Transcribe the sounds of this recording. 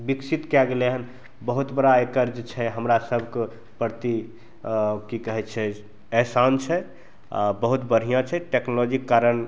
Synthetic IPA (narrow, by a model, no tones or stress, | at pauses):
biksit̪kɛɡeleɦən | bəɦut̪bəɽaekəɾd͡ʒt͡ʃʰɛɦəmɾasəbʱke | pəɾt̪i | kikəɦɛt̪t͡ʃʰɛ | ɛɦsant͡ʃʰɛ | bəɦut̪bəɽ̤ijãt͡ʃʰɛʈeknolɔd͡ʒikːaɾən